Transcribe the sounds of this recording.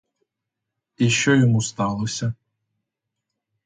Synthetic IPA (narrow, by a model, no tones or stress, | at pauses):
iɕɔjɔmust̪ɑlˠosʲɐ